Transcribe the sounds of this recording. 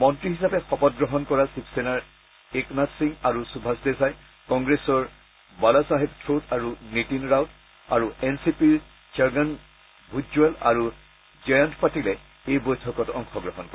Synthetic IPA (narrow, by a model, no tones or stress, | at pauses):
mɔntɹihisapɛxɔpɔt̚ɡɹɔɦɔnkɔɹasipʰsenaɹ | eknatsiŋaɹusubʱasdɛzaj | kɔŋɡɹesɔɹ | balasaɦibtʰɹotʰaɹunitinɹawt | aɹuɛnsipiɹ | saɹɡan | bʱud͡ʒuala̰ɹu | zɔjantpatilɛ | ejbojtʰɔkɔtɔŋxɔɡɹɔɦɔnkɔɛ